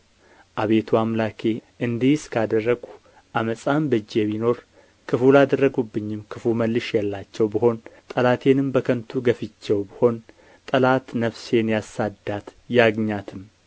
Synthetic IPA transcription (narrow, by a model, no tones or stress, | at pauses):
ʔaβe̞t̪ʰuamlakʰe̞ʔɨnd̪iskʰad̪ərːəɡu | ʔaməsʼambɨd͡ʒːɛmino̞ɾ | kʰɨfulad̪ərːəɡubːɨɲːɪmkʰɨfuməlːɨʃjɛlːat͡ʃːɛwbəho̞nt̪ʼəlat̪ʰe̞nɨmbəkʰənt̪ʰuɡəfɨt͡ʃːɛwbəho̞n | t̪ʼəlat̪nəfse̞njasad̪at̪jaɡɲat̪ʰɨm